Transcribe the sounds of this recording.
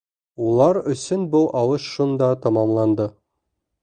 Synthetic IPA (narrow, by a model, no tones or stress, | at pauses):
ulˠɑɾɵ̆sɵnbɤlˠʔɒlˠɤʃʃund̪ɑt̪ɒmɑmlˠɑnd̪ɤ